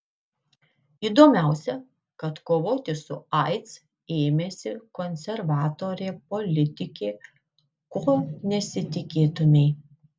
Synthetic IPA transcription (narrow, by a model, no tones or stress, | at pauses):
iːd̪oːmʲæˑʊsʲɛ | kɐt̪koːʋoːt̪ʲɪsʊɐɪt̪s | eːmʲeːsʲɪkɔnʲsʲɛɾʋɑːt̪oːɾʲeːpɔlʲɪt̪ʲɪkʲeː | koːnʲɛsʲɪt̪ʲɪkʲeːt̪ʊmʲɛɪ